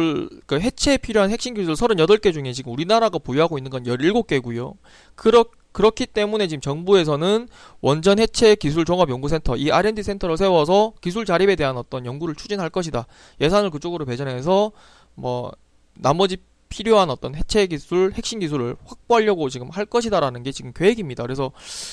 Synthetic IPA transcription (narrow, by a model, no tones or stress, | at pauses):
kɯɦe̞t͡ɕʰepʰiɾjoɦanhe̞k̚ɕ͈inɡisʰuɯɭsʰʌɾɯnjʌdʌɭk͈e̞d͡ʑuŋe̞t͡ɕiɡɯmuɾinaɾaɡapojuɦaɡoinːɯnɡʌnjʌɾiɭɡok͈e̞ɡujo̰ | kɯɾʌ | kɯɾʌkʰit͈e̞mune̞t͡ɕiɡɯmt͡ɕʌŋbue̞sʰʌnɯnwʌnd͡ʑʌnhe̞t͡ɕʰe̞kisʰuɭt͡ɕoŋʌbjʌŋɡusʰentʰʌiʔaɾendɯsʰe̞ntʰʌɾos̬ʰe̞wʌs̬ʰʌkis̬ʰuɭt͡ɕaɾibe̞de̞ɦanʌt͈ʌnjʌŋɡuɾɯɭt͡ɕʰud͡ʑinɦaɭk͈ʌɕʰida | je̞sʰanɯɭkɯt͡ɕ͈oɡɯɾope̞d͡ʑʌnɦe̞s̬ʰʌ | mwʌ̰ | namʌd͡ʑi | pʰiɾjoɦanʌt͈ʌnhe̞t͡ɕʰe̞ɡisʰuɭhe̞k̚ɕ͈inɡisʰuɾɯɭɸwak̚p͈oɦaʎːʌɡot͡ɕiɡɯmhaɭk͈ʌɕʰidaɾanɯnɡe̞t͡ɕiɡɯmkjoeɡimɲidakɯɾesʰʌ